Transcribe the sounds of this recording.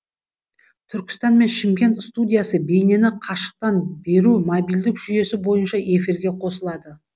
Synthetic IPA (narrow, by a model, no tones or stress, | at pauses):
t̪ʰʏɾkʲɪ̥st̪ɑnme̞nʃɪmkʲe̞nt̪st̪udʲijasəbe̞jne̞nɪqʰɑʃə̥q̚t̪ɑnbe̞ɾumobijld̪ɪkʒʏje̞sɪbo̞jənʃɑe̞fiɾɡʲe̞qʰo̞səlˠɑd̪ə